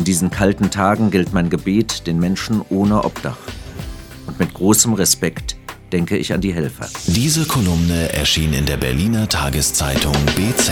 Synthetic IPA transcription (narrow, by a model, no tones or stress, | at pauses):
ʔɪndiːzn̩kʰaltn̩tʰaːɡŋ̩ɡɪltmaɪnɡəbeːtd̥eːnmɛnʃn̩ʔoːnəʔɔ̰p̚d̥a̰χt | ʔʊntmɪtɡ̥ʁoːsəmʁɛspɛktd̥ɛŋkəɪ̰ça̰ndiːɦɛlfɐ̰d̥iːzəkʰolʊmnəʔɛ̰ɐʃiːnɪ̰ndeːɐbɛɐliːnɐtʰaːɡəst͡saɪtʰʊŋb̥eːt͡sɛ